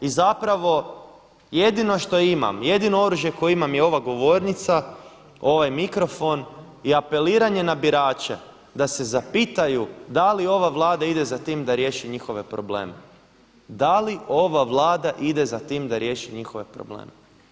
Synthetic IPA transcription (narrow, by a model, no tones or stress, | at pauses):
izapɾaʋo̞ | je̞d̪ino̞ʃt̪o̞ima̰mje̞d̪ino̞o̞ɾuʒje̞kojoimamjeo̞ʋaɡo̞ʋo̞ɾnit̪sa | o̞ʋajmikɾo̞fo̞n | iape̞liːɾaɲe̞nabiɾaːt͡ʃḛ | d̪ase̞zapiːt̪ajud̪alio̞ʋaʋlˠaːd̪aid̪e̞zat̪iːmd̪aɾje̞ːʃiɲixo̞ʋe̞pɾo̞ble̞̰ːme | d̪alio̞ʋaʋlˠaːd̪aʔid̪e̞zat̪iːmd̪aɾje̞ːʃiɲixo̞ʋe̞pɾo̰blḛːme